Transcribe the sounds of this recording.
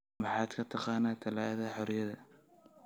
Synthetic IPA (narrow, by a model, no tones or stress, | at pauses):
mɑħɑːd̪kʰɐt̪ʰɑqɑːnaːt̪ʰɐlɑːʔɐðɐħɔɾjɐðɐ